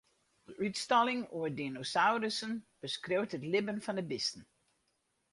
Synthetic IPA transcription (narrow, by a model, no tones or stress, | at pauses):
əʔytstɑlɪŋoədinosawɾəsənb̥əskrowtətlɪbənfɔndəbɪstən̩